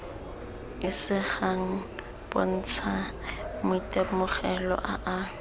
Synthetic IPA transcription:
ɪsɪχaŋ̩ | b̥o̰n̩t͡sʰamʊitʼɛmʊχɛlɔ̰ʔaʔa

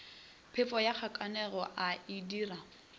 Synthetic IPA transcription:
pʰɪfɔjak͡xʰakʼanɛɣɔʔaidiːra

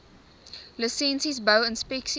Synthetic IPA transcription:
ləsɛ̃nsizbəʊə̃nspeksi

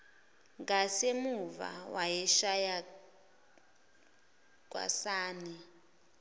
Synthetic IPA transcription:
ŋɡasemuva̰wajɛʃaja | k̬ʼwa̰saːni

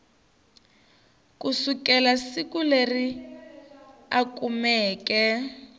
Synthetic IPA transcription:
kusukɛlasikuleri | akumɛːkɛ

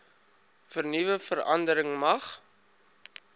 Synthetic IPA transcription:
fərnivəfəɾɐ̰ndəɾəŋmɐχ

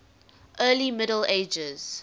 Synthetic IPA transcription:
ʔɜːlimɪɾəleɪd͡ʒəz̥

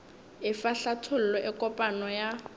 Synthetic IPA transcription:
ɪfaɬatʰʊl̩lɔʔɪkʼɔpʼanɔja

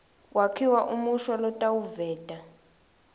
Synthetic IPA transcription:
wʔakʰiwaʔumuʃwalɔtʼawuvɛːtʼa

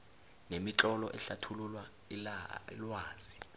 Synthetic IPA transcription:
nemiǁʼɔlɔʔɛɬatʰululwa | ilḭlwaːz̥i

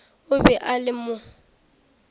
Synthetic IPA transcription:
ʊbɛʔalɪmʊ

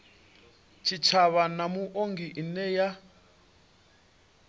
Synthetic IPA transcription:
t͡ʃʰit͡ʃʰaβanamuʔoŋɡiʔinɛja

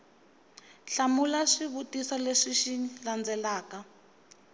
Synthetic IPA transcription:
ɬamulaʂiβutisɔleʂiʃiland͡zɛlaːka

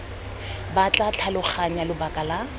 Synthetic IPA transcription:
bat͡ɬʼat͡ɬʰalʊk͡xʰaɲalʊbakʼala

